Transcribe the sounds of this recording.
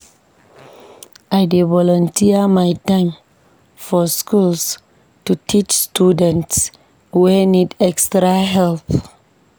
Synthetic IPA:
ʔajdevɔlɔ̃ntʰiəmajtãɪm | fɔskuls | tutʰit͡ʃstudɛ̃nts | wɛnidɛkstɾaɦɛlθ

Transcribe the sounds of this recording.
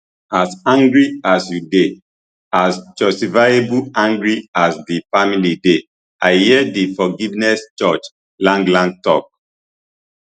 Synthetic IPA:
asãŋɡɹiasjude | asd͡ʒɔstifajebuãŋɡɹiasdifamilide | aɪhiɛdifɔɡivnɛst͡ʃɔt͡ʃ | lãnɡlãn̚tɔ̰k̚

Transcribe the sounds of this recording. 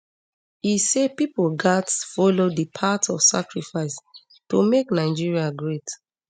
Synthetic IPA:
isepipolɡatfɔlodəpʰatɔfsa̰kɹifaɪs | tomeknaɪd͡ʒiɹiaɡɹet

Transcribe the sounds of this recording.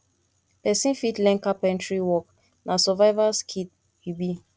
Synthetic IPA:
pɛsĩnfitlɛ̃ŋkapɛ̃ntɹiwɔk | nasɔvajvaskʰit̚ | hibi

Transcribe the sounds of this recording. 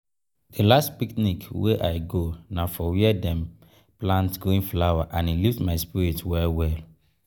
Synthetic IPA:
delastpiknikweʔaɪɡonafɔwiɛdɛ̃m | plãntɡoĩnflawaʔãniliftmaɪspiɹitwɛlwɛl

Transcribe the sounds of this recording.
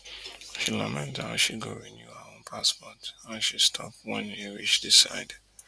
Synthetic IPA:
ʃilamɛ̃ntaʃiɡɔɹinjuaõnpʰaspɔtaʃistʰɔp̚wɛ̃njiɹit͡ʃdisa̰ɪdd

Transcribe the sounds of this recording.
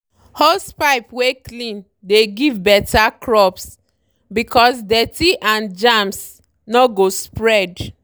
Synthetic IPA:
hɔspaɪpweklĩn | deɡivbɛtʰakɹɔps | bikʰɔs̬dɛtiʔãnd͡ʒãms | nɔɡospɹɛd

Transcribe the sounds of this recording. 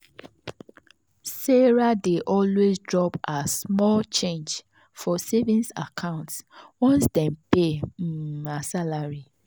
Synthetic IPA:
sɛɹadeʔɔlwezdɹɔpasmɔlt͡ʃẽnd͡ʒ | fɔsevĩnsa̰kʰãʊ̃ntswɔ̃nsdɛ̃npe | asalaɹi

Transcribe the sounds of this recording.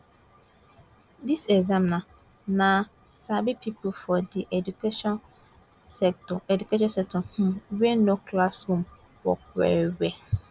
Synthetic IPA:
disɛɡzãmnã | nã | sabipʰipʰʊfɔdiʔedukʰeʃɔ̃n | sɛktʰɔɛdukʰeʃ̬ɔ̃nsɛk̚tʰɔ̃hũɥɛnokʰlashõm | wɔ̰kɛ̰ɾɥɛ

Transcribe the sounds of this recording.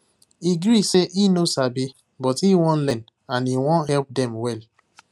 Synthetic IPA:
iɡɹiseʔinosabi | bɔtiwɔ̃nlɛ̃n | ãniwɔ̃nhɛlp̚dɛ̃mwɛl

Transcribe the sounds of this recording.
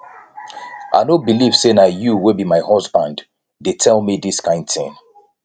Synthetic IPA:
ʔa̰ɪnobiliv̥senajuwɪbimaɪhɔzbãnd | detʰɛlˠmiðiskãɪ̃nd̥θɪ̰̃ŋ

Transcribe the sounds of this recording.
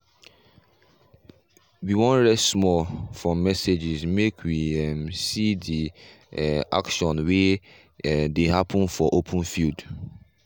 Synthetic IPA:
wiwɔ̃nɹɛsmɔlfɹɔ̃mːɛsed͡ʒizmekʰwiɛmsidi | a̰kʃɔ̃nwe | dehapʰə̃nfɔʔopʰə̃nfild

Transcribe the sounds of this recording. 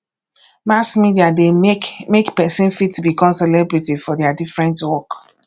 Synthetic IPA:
masmidiademekpɛsĩnfitːubikɔ̃msɛlɛbɹitifɔdɛadifɹɛ̃ntwɔk

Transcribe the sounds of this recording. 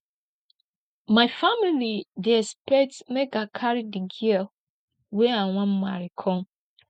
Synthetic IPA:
maɪfamilidiɛspɛtmɛɡakʰaɾidiɡiɛl | wɛãwãmmaɾikʰɔ̃n

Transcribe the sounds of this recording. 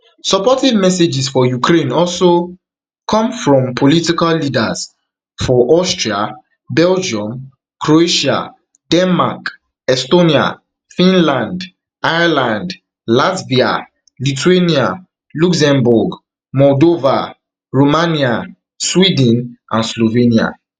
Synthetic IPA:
sɔpɔtɛdmɛsed͡ʒisfɔjukʰɾẽnɔlso | kʰɔ̃mfɹɔ̃mpʰolitikallidaz̥ | fɔʔɔstɹia | bɛld͡ʒiɔ̃m | kʰɹoeʃa̰ | d̥ɛ̃nmak | ɛstonia̰ | fĩnlãnd | aɪlãnd | latbia̰ | lituenia | luksɛ̃mbuɡ | mɔldova | ɹomania | swidnʔãnslovenia̰

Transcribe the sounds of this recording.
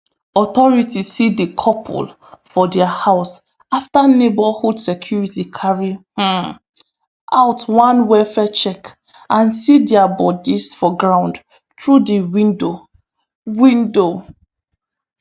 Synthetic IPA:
ɔθɔɹitisidəkʰɔpʰṵl | fɔdɛahaʊs | aftanebahudsɛkʰjuɹitikʰaɹih̩ | ʔa̰ʊtwãnwɛfɛt͡ʃɛk | ãnsidɛabɔdisfɔɡɹãʊ̃nd | tɹudəwĩndo | wĩndo

